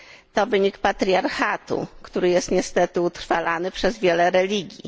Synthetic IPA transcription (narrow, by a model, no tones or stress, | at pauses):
t̪ɔvɘɲikpat̪ɾʲiaɾxat̪ṵkt̪uɾɘjɛst̪ɲɛst̪ɛt̪ɘut̪ɾfalanɘpʂɛzvʲjɛlɛɾɛlʲiɡʲjḭ